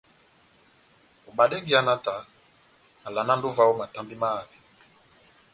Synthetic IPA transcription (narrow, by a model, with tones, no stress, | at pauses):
o˨ɓa˨ɗe˦ŋɡi˨˦a˦na˦ta˨ | na˨la˨na˦n˦du˦va˦wɔ˦ma˨ta˨mbi˦ma˦˨vi̥˨